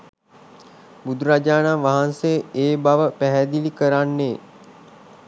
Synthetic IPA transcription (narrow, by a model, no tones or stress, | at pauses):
bud̪ʱɾad͡ʒaːnamʋaɦansejəeːbaʋəpæɦæd̪ilikəɾanːeː